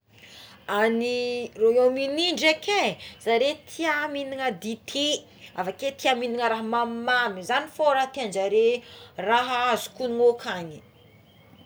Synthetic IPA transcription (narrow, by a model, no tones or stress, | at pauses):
aniroominiɳɖ͡ʐekʰez̥aɾet̪ʰiaminiŋəd̪it̪ʰi | afaket̪iaminiŋəɾaɦəmammamizanifoɾaɦt̪iand͡ʒaɾeraɦaazu̥kuniŋokʰaɲi̥